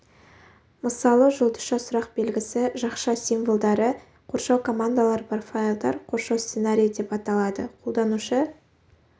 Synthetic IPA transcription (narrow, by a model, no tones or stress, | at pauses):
məsɑlˠəʒʊlˠd̪ə̥ʃɑsʊɾɑq̚be̞lɡʲɪsɪʒɑqʃɑsinvolˠd̪ɑɾə | qʰoɾʃɑwkʰo̞mand̪alˠɑɾpʰorfailˠd̪ɑ̰ɾqʰo̞ɾʃɑwst̪senaɾʲijd̪e̞pɑt̪ɑlˠɑd̪ə̰qʰo̞lˠd̪ɑnuʃə